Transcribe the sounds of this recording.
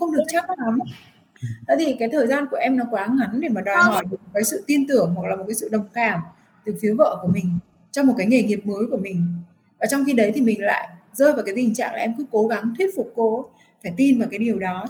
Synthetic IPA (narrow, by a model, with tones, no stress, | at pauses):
xə˧wŋ͡mɗɨ˨˩ək̚t͡ɕa˦˥k̚la˨˦m | ə˨˦t̪i˨˩kaː˨˦jt̪ʰəː˨˩jzaː˧nku˧˩əʔɛ˧mnɔ˨˦kwaː˨˦ŋa˨˦nɗe˧˩maː˨˩ɗɔ˨˩˨zɔ˧˩jmə˨˩mo˨˩t̚kaː˨˦jsɨ̰˧˨t̪i˧ənt̪ɨ˧˩əŋhwklaː˨˩o˨˩t̚kaː˨˦sɨ̰˧˨ɗə˨˩wŋ͡mkaː˨˩m | t̪ɨ˨˩əfi˨˦və̰ː˧˨ku˧˩əmï˨˩ŋ̟ | t͡ɕɔ˧wŋ͡mm˨˩t̚kaː˨˦jŋe˨˩ŋi˨˩əp̚məː˨˦jku˧˩əmï˨˩ŋ̟ | vaː˨˩t͡ɕɔ˧wŋ͡mxi˧ɗə˨˦jt̪ʰi˨˩mï˨˩ŋ̟la̰ː˧˨jʔzəː˧jvaː˨˩kaː˨˦jt̪ï˨˩ŋ̟t͡ɕa̰ː˧˨ŋlaː˨˩ʔɛ˧mkɨ˨˦ko˨˦ɣa˨˦ŋt̪ʰwi˦˥t̚fʊ˨˩k͡p̚ko˧ | faː˧˩jt̪i˧nvaː˨˩kaː˨˦jɗi˨˩əwɗɔ˨˦